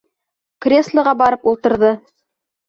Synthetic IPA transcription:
krʲeslˠɤ̆ʁɑbɑɾɤpulˠt̪ɤ̆ɾðɤ

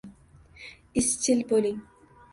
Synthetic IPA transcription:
ist͡ʃʰilboliŋ

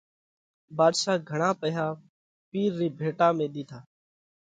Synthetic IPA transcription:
baːd̪ʃaːɡʱəɳaːpəɦaː | piːɾːiːbʱeːʈaːmẽːɗ̪iːt̪ʰaː

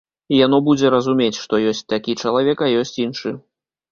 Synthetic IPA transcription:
ijan̪ɔbud͡zʲɛɾɐzumʲet͡sʲʂt̪ɔjɔsʲt͡sʲt̪akʲit͡ʂɐlˠavʲɛkajɔsʲt͡sʲinʂɨ

